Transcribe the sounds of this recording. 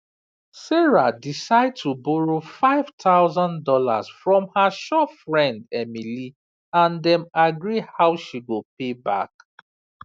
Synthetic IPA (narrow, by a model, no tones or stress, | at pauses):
sɛɹadisaɪd̚tʰubɔɹofaɪv̥tʰaʊzãndɔla̰z̥fɹɔ̃mhəʃɔtfɹɛ̃ndɛmili | ãndɛ̃maɡɹihaʊʃiɡop̚ʰeba̰k